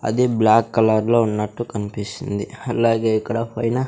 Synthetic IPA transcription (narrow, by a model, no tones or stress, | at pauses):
ɐ̰d̪iblaːkːɐlɐɾloːunːɐʈːukɐnipisind̪iɐlːaːɡe̞ːikːɐɽɐpɐjnɐ